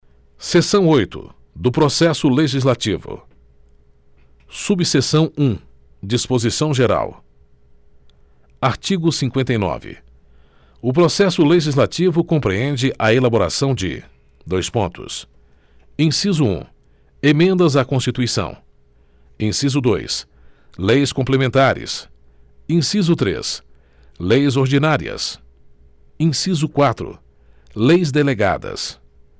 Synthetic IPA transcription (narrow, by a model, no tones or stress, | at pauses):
sesɐ̃w̃ojt̪ʊ̰ | d̪ʊpɾosɛsʊleʒizlat͡ʃivʊ̰ | subsesɐ̃w̃ũ | d͡ʒispozisɐ̃w̃ʒeɾa̰w | aɾt͡ʃiɡʊsĩŋkwẽnt̪ɐjnɔ̰vɪ̰ | ʊpɾosɛsʊleʒizlat͡ʃivʊkõpɾeẽnd͡ʒɪʔɐelaboɾa̰sɐ̃w̃d͡ʒɪ̰ | d̪ojspõnt̪ʊ̰s | ĩsizʊṵ̃ | emẽnd̪ɐzakõst͡ʃit̪uisɐ̰̃w̃ | ẽsizʊd̪ojs | lejskõmplemẽnt̪aɾɪ̰s | ĩsizʊt̪ɾḛs | lejzoɾd͡ʒinaɾḭɐ̰s | ĩsizʊkwat̪ɾʊ̰ | lejzd̪eleɡa̰d̪ɐ̰s